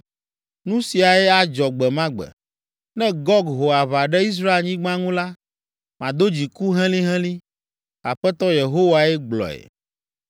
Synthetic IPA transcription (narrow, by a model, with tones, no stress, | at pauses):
nũ˦si˨a˨ɛ˦a˨d͡ʒɔ˨ɡ͡bɛ˨mã˦ɡ͡bɛ̰˨ | nɛ̃˦ɡɔ˦ɡɦo˨a˨βa˨ɖɛ˦i˦s̬ɾa˦e˦lɲĩ˦ɡ͡bã˦ŋũ˦la˦ | mã˨d̪o˦d͡ʑi˨ku˦ɦɛ̃˦lĩ˦ɦɛ̃˦lĩ˦ | a˨ɸɛ˦t̪ɔ˦je˨ɦo˦wa˨ɛ˦ɡ͡blɔ̰˨ɛ̰˨